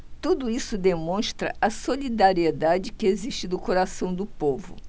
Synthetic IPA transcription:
t̪ud̪ʊisʊd̪emõst̪ɾɐ̰ɐsolid̪aɾied̪ad͡ʒɪkɪeziʃt͡ʃɪd̪ʊkoɾasɐ̃w̃d̪ʊpovʊ̰

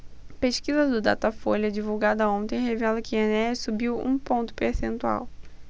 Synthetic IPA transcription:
peʃkizɐd̪ʊd̪a̰t̪ɐfolɐd͡ʒivuwɡad̪ɐõnt̪ẽj̃hevɛlɐkɪenɛsubiwṵ̃põnt̪ʊ̥peɾsẽnt̪ua̰w

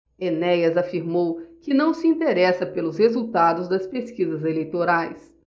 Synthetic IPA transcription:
enɛjɐzafiɾmowkɪnɐ̃w̃sɪĩnt̪eɾɛsɐpelʊshezuwt̪ad̪ʊzd̪ɐspeskizɐzelejt̪oɾajs

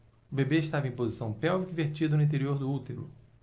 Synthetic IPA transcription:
ʊbebeiʃt̪avɐẽpozisɐ̃w̃pɛwvikiveɾt͡ʃid̪ʊnĩt̪̬eɾioɾd̪ʊut̪eɾʊ̰

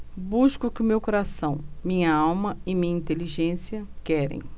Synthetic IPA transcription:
buskʊkɪʊmewkoɾasɐ̃w̃mĩɲɐawmɐɪmĩɲɐĩnt̪eliʒẽsiɐkɛɾḛ̃j̃

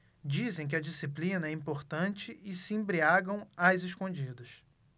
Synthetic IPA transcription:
d͡ʒizẽj̃k̬ɪɐd͡ʒisiplĩnɐɛĩmpoɾt̪ɐ̃nt͡ʃɪɪsɪẽmbɾiaɡɐ̃w̃ajzɪʃkõnd͡ʒid̪ɐs

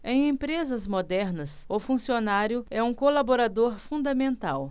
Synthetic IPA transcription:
ẽj̃ẽpɾezɐzmod̪ɛɾnɐsʊfũsionaɾjʊɛũkolaboɾad̪oɾfũnd̪amẽnt̪aw

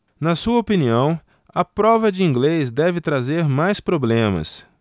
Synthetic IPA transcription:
nɐsuɐopiniɐ̃w̃ | ɐpɾɔvɐd͡ʒɪĩɡlezd̪ɛvɪt̪ɾazeɾmajspɾoblẽmɐ̰s

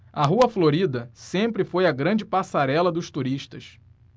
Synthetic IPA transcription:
ɐɦuɐfloɾid̪ɐsẽmpɾɪfojɐɡɾɐ̃d͡ʒɪpasaɾɛlɐd̪ʊʃt̪uɾiʃt̪ɐʃ

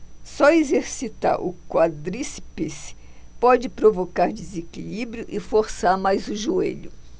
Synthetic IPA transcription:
sɔezeɾsit̪a̰ɾʔʊ̰kwad̪ɾisipis | pɔd͡ʒɪpɾovokaɾd͡ʒezekilibɾjʊʔɪfoɾsaɾmajzʊʒuḛʎʊ

